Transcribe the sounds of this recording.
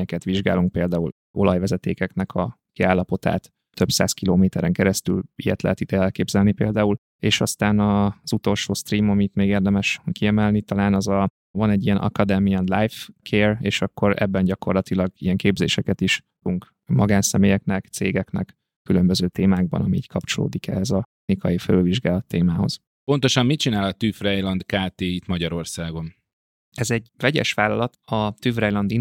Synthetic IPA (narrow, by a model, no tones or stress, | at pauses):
ɲɛkɛt̪ʋiʒɡa̰ːluŋk̚peːld̪aːul | ʔo̞̰lɒjʋɛzɛt̪ḛːkɛknɛkʰɒ | kiaːlːɒpo̞t̪a̰ːt̪ | t̪ø̞psa̰ːskiloːmeːt̪ɛɾɛŋkɛɾɛst̪y̰lijɛ̰t̪lɛ̰ɦɛt̪id̪ɛɛlkeːbzɛlnipḛːld̪aːul | eːʃɒst̪aːnɒz̥ut̪o̞lʃoːst̪riːmɒmiːt̪meːɡeːrd̪ɛmɛʃkiɛmɛlnit̪ɒlaːnɒzɒ | vɒnɛɟːijɛnʔɒ̰kɒd̪ɛmiɛnlajfkʰeːreːʃɒkːo̞ɾɛ̰bːɛnɟɒko̞rlɒt̪ilɒɡijɛŋkeːbzḛːʃɛkɛt̪iʃ | uŋk | mɒɡaːnsɛmeːjɛknɛkt̪sḛːɡɛknɛ̰k | kːylø̞mbøzøːt̪eːmaːɡ̚bɒ̰nɒ̰miḭːckʰɒpt͡ʃo̞lo̰ːd̪ikɛ̰ɦɛzɒ | nikɒjifɛlylviʒɡaːlɒt̪ːeːmaːɦo̞̰z̥ | po̞nt̪o̞ʃɒmːit͡ʃinaːlɒt̪yfrɛjlɒnd̪kaːt̪eːit̪mɒɟɒɾo̞rsaːɡo̞n | ɛzɛɟvɛɟɛ̰ʃʋaːlːɒlɒt̪ɒt̪yfrɛjlɒnd̪i